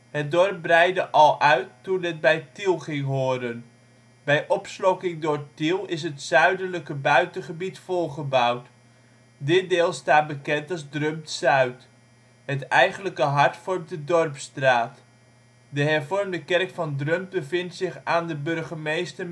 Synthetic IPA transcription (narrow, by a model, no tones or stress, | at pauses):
hət̚dɔrp̚brɛjdəʔɑlˠʔœɥtːunət̚bɛjtilˠχɪŋɦoːədən | bɛjʔɔpslɔkɪŋdʊːɹtilˠɪs̬ɦətsœɥdənləkəbœɥtənχəbitfɔlˠχəbawt | dɪt̚dɪːlˠstaːt̚bəkɛntɑlˠzdrømtsœɥt | hətɛjχənləkəɦɑɹtfɔrmt̚dədɔrpstraːt | dəɦɛrvɔrmdəkɛrkfɑndrømt̚bəvɪntsɪχaːndəbɵɹχəmejstər